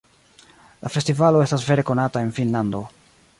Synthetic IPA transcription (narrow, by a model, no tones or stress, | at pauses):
lafe̞stivalo̞e̞stasve̞ɾe̞ko̞natae̞nfinlando̞